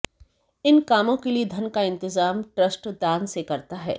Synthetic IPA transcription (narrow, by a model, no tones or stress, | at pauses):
ɪnkaːmõkelied̪ʱɐnkaɪ̃nt̪ɪzaːmʈɾəsʈd̪aːnsekɐɾt̪aɦɛ̰ː